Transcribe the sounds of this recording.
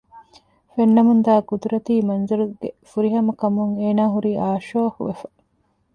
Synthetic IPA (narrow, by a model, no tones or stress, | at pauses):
fenːɐmund̪aːɡud̪uɾɐt̪iːmɐnzuɾuɡefuɾiɦɐmɐkɐmuŋeːnaːɦuɾiːʔaːʃoːɐhṵʋefɐ̥